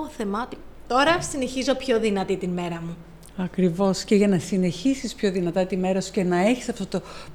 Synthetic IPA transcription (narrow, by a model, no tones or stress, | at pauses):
θemɐot̪i | t̪o̞ɾɐsine̞çizo̞pço̞ðinɐt̪it̪inme̞ɾɐmu | ɐkɾivo̞sceʝɐnɐsine̞çisispço̞ðinɐt̪ɐt̪ime̞ɾɐsu̥ce̞nɐe̞çi̥sɐft̪ot̪o̞